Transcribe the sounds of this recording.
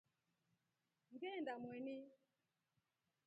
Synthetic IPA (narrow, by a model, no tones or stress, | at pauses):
ŋɡɛndamwɛni